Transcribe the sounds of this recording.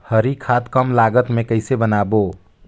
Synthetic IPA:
həɾikʰad̪kəmlaɡət̪mekəɪsebənabo

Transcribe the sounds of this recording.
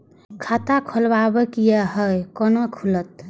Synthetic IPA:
kʰat̪akʰɔlbabekijaɦəjkɔnokʰulət̪̚

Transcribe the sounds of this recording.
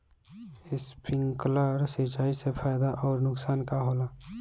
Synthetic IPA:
ɪspʰɪ̃ŋkləɾsit͡ʃaːisepʰaːɪd̪aʔɔːɾnʊksaːnkaɦoːlaː

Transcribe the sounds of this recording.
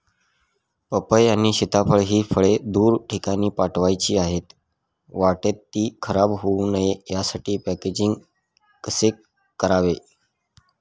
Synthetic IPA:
pəpəjañiːɕit̪apʰəɭɦiːfʰəɭed̪uːɾʈʰikañiːpaʈʋajt͡ɕiːaɦet̪ | ʋaʈet̪ːiːkʰəɾabɦounəjejasaʈiːpæked͡ʑiŋɡ | kəse | kəɾaʋe

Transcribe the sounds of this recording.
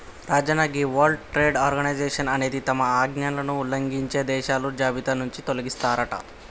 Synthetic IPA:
ɾaːd͡ʒɐnaɡiʋɐɾɖʈɾeːɖaːɾɡɐnɐjd͡ʒeːʂɐnɐne̞ːd̪it̪ɐmɐaːɡnɐnlɐnuːlɐŋɡiɲt͡ʃe̞ːd̪ɛːʃaːlud͡ʒaːbit̪ɐnuɲt͡ʃit̪o̞lɐɡist̪aːɾɐʈɐ̰

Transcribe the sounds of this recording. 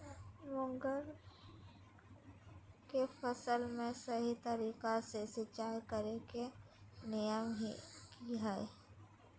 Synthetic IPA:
mʊ̃ŋɡəɾ | kefəsəlmẽsɐɦit̪əɾiːkasesɪt͡ʃaːɾkəɾeke | nɪjəmɦikiɦɛe

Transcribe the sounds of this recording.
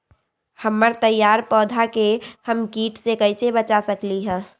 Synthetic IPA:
həmːəɾt̪əjːaːɾpɔːd̪ʱakehəmkiːʈsekəɪsebət͡ʃasəkliɦɛ̃ː

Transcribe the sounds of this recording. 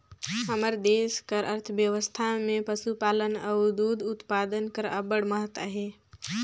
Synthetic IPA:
ɦəməɾd̪eːskəɾʔəɾt̪ʰʋjəʋəst̪ʰamẽpəsupaːlənəʊd̪uːd̪ʊt̪paːd̪ənkəɾə̰bəɽməɦət̪a̰ɦɛː

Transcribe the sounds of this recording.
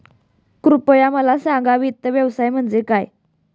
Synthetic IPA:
kɾupəjaməlasãŋɡaʋit̪ːəʋjəʋsajm̤əɳd͡zekaj

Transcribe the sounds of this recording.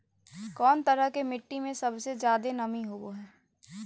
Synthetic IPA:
kɔːnt̪ɐɾəɦkemɪʈːimẽsɐbsezjaːd̪enɐmiɦoːɡoɦɛː

